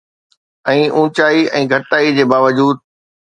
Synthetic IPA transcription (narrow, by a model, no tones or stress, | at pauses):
ɛ̃ːʔũːt͡ɕaːiɛ̃ːɡʱɐʈːaːid͡ʑeːbaːʋəd͡ʑuːd̪̚